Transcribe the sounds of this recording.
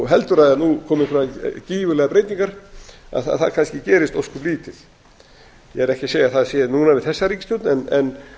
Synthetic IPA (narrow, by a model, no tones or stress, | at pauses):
ɦɛlt̪ʏɾaðanukʰɔːmɪfɾaciːvʏlɛɣapɾeːjt̪niŋkaɾ̥a̰ðθa̰ðθaðkʰanscɪcɛːɾɪst̪oskʏpliːt̪ʰɪð̥ | jɛɣɛɾɛhcɪseːjaθaðsɛðnuːnavɪðθɛsːaɾiːkst̪ʏt̪nɛnɛn